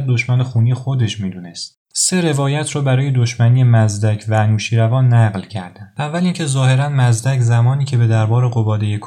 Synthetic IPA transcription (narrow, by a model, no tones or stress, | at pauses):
d̪o̞ʃmænexuːnijexod̪e̞ʃmiːd̪uːnest̪ | se̞ɾe̞vɒːjæt̪ʰrɒːbæɾɒːje̞d̪o̞ʃmæniːjemæzd̪æcʰvænuːʃiːɾævɒːnːæɣlcʰæɾd̪ænævːæliŋcʰe̞zɒːhe̞ɾænmæzd̪æcʰzæmɒːniːcʰe̞be̞d̪æɾbɒːɾe̞ɣo̞bɒːd̪e̞jekʰ